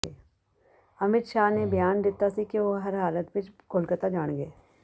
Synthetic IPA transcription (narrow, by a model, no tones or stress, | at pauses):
eː | ɐmɪt̪ʃaːnebɪjaːnd̪ɪt̪ːasikiʋoɦɐɾɦaːlət̪bɪt͡ʃkʊlkət̪ad͡ʒaːɽ̃ɡeː